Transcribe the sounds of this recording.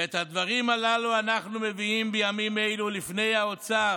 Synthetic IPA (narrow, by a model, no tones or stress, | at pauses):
et̪had̪vaʁimalaluanaχnume̞viimbejamime̞jlulifne̞jao̞t͡sa